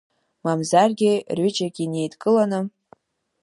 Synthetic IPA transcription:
mamzarɡʲɪrɥid͡ʒaɡʲine̞jtʼkʼɨlanɨ

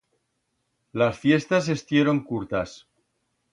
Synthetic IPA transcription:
lasfje̞st̪as̬e̞st̪je̞ɾo̞ŋkuɾt̪as

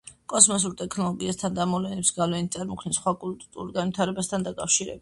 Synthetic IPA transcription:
kʼɔsmɔs̬uɾt̪ʼɛkʰnɔlˠɔɡiast̪ʰand̪amɔlɛnɛpsɡavlɛnit̪sʼaɾmɔkʰnɛsχwakʼult̪ʼt̪ʼṵɾɡanwit̪ʰaɾɛbast̪ʰand̪akʼafʃiɾɛ̰bit̚

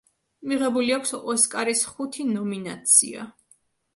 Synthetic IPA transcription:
miʁɛbuliakʷʰsɔskʼaɾisχut̪ʰinɔminat̪sʰḭa̰

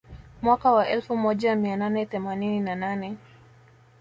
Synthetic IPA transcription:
mwakawaʔɛlfumɔʄamiananɛθɛmanininananɛ

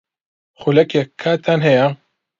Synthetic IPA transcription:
χulɐkjekʰːaːt̪ʰaːnɦɛja

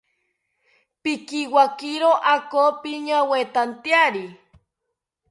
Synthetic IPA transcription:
pikiwakiɾoʔakopiɲawet̪ant̪jaɾi

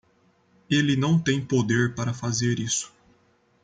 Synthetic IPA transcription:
elɪnɐ̃w̃t̪ẽj̃pod̪eɾpaɾɐfazeɾisʊ̥

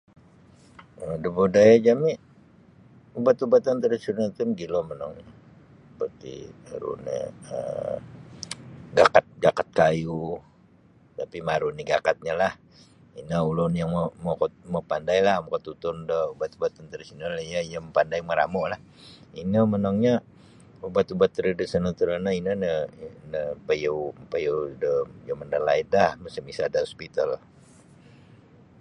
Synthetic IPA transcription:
ədəbodajad͡ʒami | ubat̪ubat̪ant̪əɾisinət̪unɡilomənɔŋ | pərt̪ḭəɾṵnḛə̰ | ɡakat̪̚ɡakat̪̚kaju | t̪apimaɾuniɡakat̪̚ɲalah | inəulʊnjaŋmomokɔt̪̚məpandajlahmakɔt̪ut̪ʊndəubat̪ubat̪ːənt̪əɾisinəljajəməpandajməɾa̰mɔʔlah | inəmənəŋɲa | ubat̪ubat̪ːəɾidəsənət̪əɾənəinənənəpəjəwpajədəjəməndalaidahməsəmisadəɔspit̪al

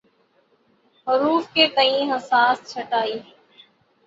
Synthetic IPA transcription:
ɦʊɾuːfkeːkəĩːɦəsaːst͡ʃʰəʈaːiː

